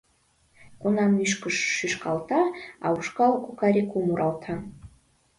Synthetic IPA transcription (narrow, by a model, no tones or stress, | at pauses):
kunɑmyʃkəʃːyʃkɑlt̪ʰɑɑuʃkɑlkukɑɾikʰumuɾʔɑlˠt̪ʰɑ